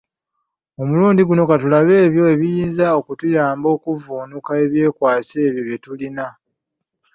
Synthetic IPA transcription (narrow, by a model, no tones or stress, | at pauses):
o̞muluːndiɡuno̞katulaβe̞ːβjo̞e̞βijiːnzao̞kutujaːmbo̞ːkuvuːnukae̞βje̞ːkwaːse̞ːβjoβjetulina